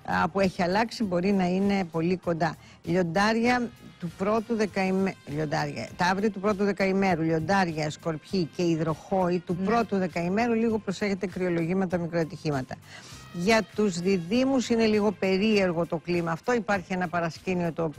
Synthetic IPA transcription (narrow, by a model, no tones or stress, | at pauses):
ɐ̰pue̞çiɐlɐksibo̞ɾinɐine̞po̞liko̞nd̪ɐ | ʎo̞nd̪ɐɾʝɐt̪upɾo̞t̪uðekɐimʎo̞nd̪ɐɾʝɐ̰t̪ɐɐvɾiɐt̪upɾo̞t̪̬uðekɐime̞ɾuʎo̞nd̪ɐɾʝɐsko̞ɾpçice̞iðɾo̞xo̞it̪upɾo̞t̪uðe̞kɐime̞ɾuliɣo̞pɾo̞se̞çe̞t̪e̞kɾio̞lo̞ʝimet̪ɐmikɾoet̪içimɐt̪ɐ | ʝɐt̪uzðiðimusine̞liɣo̞pe̞ɾie̞ɾɣo̞t̪o̞klimɐːft̪o̞ipɐɾçie̞nɐpɐɾɐscinio̞t̪o̞ːp